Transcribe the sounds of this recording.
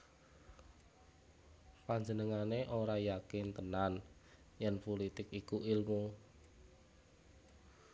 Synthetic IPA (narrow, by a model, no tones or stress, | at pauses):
paɲd͡ʒənəŋaneʔoɾajakɪnt̪ənan | jɛnpulit̪ɪkikuilmu